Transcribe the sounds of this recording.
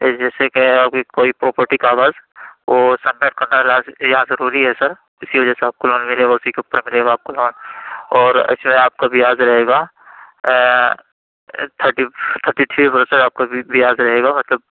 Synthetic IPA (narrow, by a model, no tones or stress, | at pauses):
d͡ʒɛːsekeaːp̚kikoːipɾoːpəɾʈikaːʋaːzʋoːsɐ̃nːeʈ̚kɐɾnalaːzjɐɦãzɐɾuːɾiɦɛsɐɾ | ɪsiʋɐd͡ʒɛːseaːp̚kolɔ̃ːnmɪleaʊsikeʊpːəɾmɪleːɡaːp̚kolɔ̃ːnɔːɾɐ̰ɪsmeaːp̚kabɪjaːzɾɐɦeːɡaː | t̪ʰəʈit̪ʰəɾʈiʈʰiʋɐɾsəaːp̚kabɪjaːzɾɐɦeːɡamɐt̪ləb̚